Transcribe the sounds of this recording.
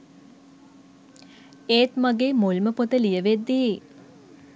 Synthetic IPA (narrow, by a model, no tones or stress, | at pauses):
eːt̪maɡeːmolməpot̪əlijəʋed̪ːi